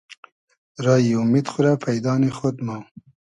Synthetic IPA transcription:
ɾɑːjiʊmid̪xuɾapʰajd̪ɑːnexod̪mɑ

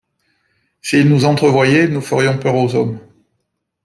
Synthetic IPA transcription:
siːlnuzɑ̃t̪χəvwajɛnufəʁjɔ̃pœʁozɔm

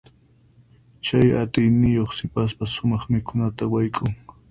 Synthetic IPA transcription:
t͡ʃaja̰t̪ɪjnɪjoχsɪpaspasʊmɑχmɪkʊnat̪awajkʼʊŋ

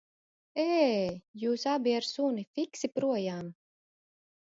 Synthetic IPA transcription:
eːjuːsabʲiaɾsunifiksipɾuɔjaːm

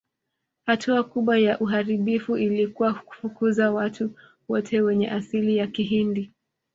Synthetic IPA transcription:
hatʰuakuɓwajaʔuɦaɾiɓifuʔilikuwaku̥fukuzawatʰu | wɔtʰɛwɛɲɛʔasilijakiɦindi

